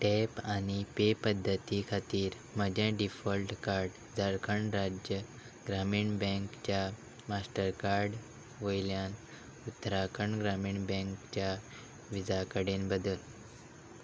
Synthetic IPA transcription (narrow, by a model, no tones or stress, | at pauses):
ʈɛpanipepəd̪ʱːət̪ikʰat̪iːɾ | məd͡ʑʱãɖifəlʈkaɾɖ | d͡zəɾkʰəɳɾad͡ʑjə | ɡɾamiːɳbɛ̃ŋkt͡ɕja | masʈəɾkaɾɖ | ʋojljan | ut̪ːəɾakʰəɳɡɾamiːɳbɛ̃ŋkt͡ɕja | ʋid͡zʱakəɽẽnbəd̪əl